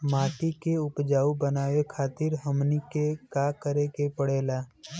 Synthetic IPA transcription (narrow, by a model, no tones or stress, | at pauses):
maːʈ̪ikeʊpd͡ʒaːubənaːʋekʰaːt̪ɪɾɦəmnikekakəɾekepəɽeːlaː